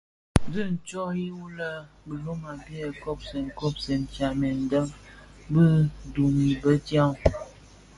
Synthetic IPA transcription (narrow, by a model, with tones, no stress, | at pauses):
zə˦˨n̩˨t͡ʃɔ˦hi˦wu˦lə˦ | bə˨lo˦ma˨bi˦ə˨kɔ˦p̚se˨ŋ˨kɔ˦p̚sɛ˨n˨t͡ʃa˨mɛ˨n˦də˦mbə˦du˨mi˨bə˦tja˦w